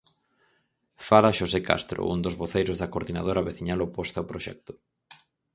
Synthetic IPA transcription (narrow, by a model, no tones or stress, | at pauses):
falaʃoseka̰st̪ɾo̰ʔṵnd̪ozβoθejɾozðɐkoɾðinað̞oɾaβeθiɲalopost̪aopɾoʃɛ̰k̚t̪ʊ̥